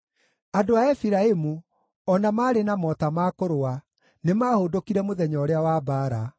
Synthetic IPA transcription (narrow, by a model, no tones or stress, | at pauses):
adoaɛfiɾaemu | ɔnamaːɾenamɔtamaːkoɾoa | nemaːhodokiɾɛmoðɛɲɔɾeawabaːɾa